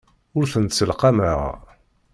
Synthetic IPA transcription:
ʊɾθənt̪səlqaməʁ

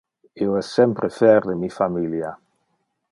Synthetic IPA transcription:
ioɛsːɛmpɾefɛɾd̪emifamilja

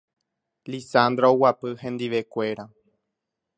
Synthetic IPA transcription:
lisand̪ɾaowapɨhẽ̞nd̪iʋe̞kʷe̞ɾa

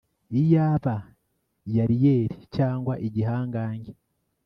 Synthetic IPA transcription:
ijaːβa | jaɾijeːɾicaːŋɡwaʔiɟiɦaːŋɡaːɲɡe

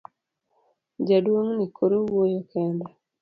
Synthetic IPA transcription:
d͡ʒadwoŋnikʰoɾowojokʰɛnda

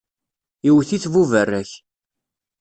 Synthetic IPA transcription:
iwθiθvuvərːæç

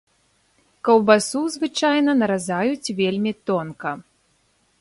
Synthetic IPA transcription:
kɐwbasuzvɨt͡ʂajnɐnɐɾazajut͡sʲvʲelʲmʲit̪ɔnkɐ

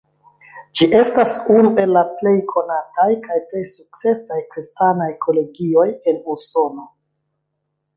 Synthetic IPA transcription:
d͡ʒiʔe̞stasunue̞lːaple̞jkʰo̞natajkajple̞jsuk̚t͡se̞sajkɾistanajkʰo̞le̞ɡio̞je̞nuso̞no̞

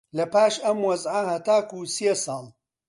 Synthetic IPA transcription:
lɐpaːʃɐmwɐzʕahɐt̪aːkusjesɑːlˠ

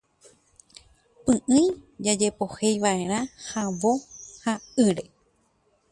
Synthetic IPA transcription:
pɨ̃ʔɨ̃jd͡ʒad͡ʒe̞po̞hejʋaʔe̞ɾ̃ãhaʋohaɨɾe

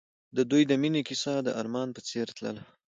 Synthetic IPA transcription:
d̪əd̪ujd̪əminekisad̪əʔɑɾmɑnpət͡seɾt̪lə̰la

